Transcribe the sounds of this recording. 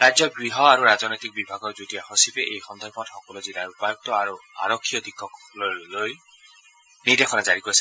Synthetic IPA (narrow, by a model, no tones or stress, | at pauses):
ɾad͡ʒjɔɡɹiɦɔaɾuɾazɔnɔjt̪ik̚bibʱaɡɔɹd͡ʒutiaxɔsipeʔejxɔnd̪ʱɔɾpɔtxɔkɔluzilaɹupajɔk̚tɔaɾua̰ɹɔkʰːijɔd̪ʱikʰːɔk | lɔloj | nidekʰɔnazaɹikois